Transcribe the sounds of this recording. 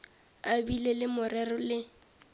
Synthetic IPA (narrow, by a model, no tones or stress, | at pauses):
abilelɪmʊrɛrɔlɪ